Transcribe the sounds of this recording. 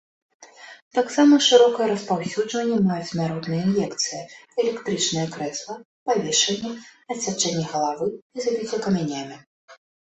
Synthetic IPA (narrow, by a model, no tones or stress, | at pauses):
t̪aksamɐʂɨɾɔkɐjɐɾɐspawsʲud͡ʐvɐnʲːɛmajut͡sʲnaɾɔt̪nɨjɐinjɛkt̪sɨjɐɛlʲɛkt̪ɾɨt͡ʂnɨjɐkɾɛslˠɐ | pavʲeʂɐnʲːɛɐsʲat͡ʂːɛnʲːɛɣɐlˠavɨizavʲit͡sʲɛkɐmʲɛnʲamʲi